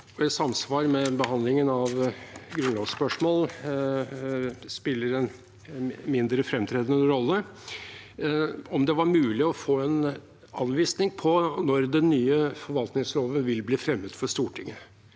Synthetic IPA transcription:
ɔɪsɑmsʋɑːɾmɛbəhɑnd̪lɪŋənɑʋɡɾʉnloːɡspœʂmoːl | spɪlːəɾɛn | mɪnd̪ɾəfɾɛmt̪ʰɾeːd̪ənəəɾɔlːə | ɔmd̪ɛʋɑɾmʉːlɪɔfoːɛn | ɑ̰nʋiːsnɪŋpʰɔnɔɾd̪ɛnːyːəfɔɾʋɑlt̪nɪŋsɾoːʋənʋɪlbliːfɾɛmːət̪fɔʂt̪uːʈʰɪŋːə

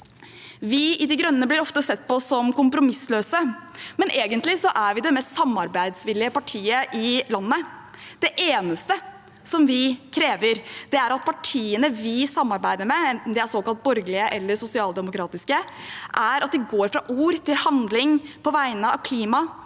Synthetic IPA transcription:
ʋɪʔɪd̪ɪɡɾœnːəblɪɾɔft̪əsɛt̪̚ːpɔsːɔmkʊmpɾʊmɪsløːsəmɛnʔeːɡənt̪lɪsɔʔæɾʋɪd̪ɛmɛst̪sɑmːɑɾbæɪd̪sʋɪlːɪəpɑʈʰiːəʔɪlɑnːəd̪̥ɛʔeːnəst̪ə | sɔmʋɪkʰɾeːʋəɾd̪̥ɛæɾɑt̪̚pʰɑʈʰiːənəʋɪsɑmːɑɾbæɪd̪əɾmɛɛnt̪n̩d̪ɛæsoːkɑlt̪̚bɔɾɡlɪəʔɛlːəsʊsɪɑːlˠd̪ɛmʊkʰɾɑːt̪ɪskə | ʔæɾʔɑt̪̚d̪ɛɡoːɾfɾɑʔuːɾt̪ʰɪlhɑnd̪lɪŋpʰɔʋæɪnəɑ̰ʋkʰliːmɑ

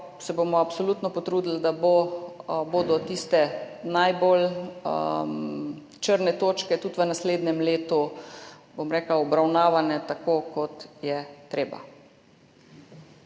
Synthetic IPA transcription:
sɛbomɔapsɔluːt̪nɔpɔt̪ɾuːd̪ild̪abo | boːd̪ɔt̪ist̪ɛnajbol | t͡ʃəɾnɛt̪oːt͡ʃkɛt̪ut̪ʋənasleːd̪nɛmleːt̪u | bomɾeːklaɔbɾawnaːʋanɛt̪akokɔt̪jɛt̪ɾeːba̰

